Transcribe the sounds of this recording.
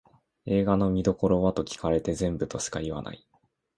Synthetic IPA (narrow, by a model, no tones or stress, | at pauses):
e̞ːɡano̞mʲid̪o̞ko̞ɾo̞βat̪o̞kʲi̥kaɾe̞t̪e̞zẽ̞mbɯ̟t̪o̞ɕɨ̥kaiβa̰na̰i